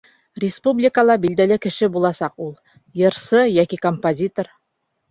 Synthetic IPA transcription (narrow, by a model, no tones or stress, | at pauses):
rʲɪspublʲikəlˠɑbild̪ælɘkɘ̆ʃɘbulˠɑsɑqulˠ | jɤ̆ɾsɤjækikompozʲit̪oɾ